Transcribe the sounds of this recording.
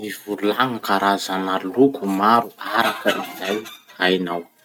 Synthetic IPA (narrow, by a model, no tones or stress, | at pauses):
iv̥ululaŋakaɾazanalukumaɾuaɾakəʔizajajnaw